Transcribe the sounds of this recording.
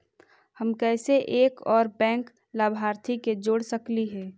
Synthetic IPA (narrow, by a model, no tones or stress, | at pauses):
həmkɛːseʔeːkɔːɾbɛ̃ːŋk | laːbʱɦaːɾt̪ʰiked͡ʒoːɽsəkliɦɛː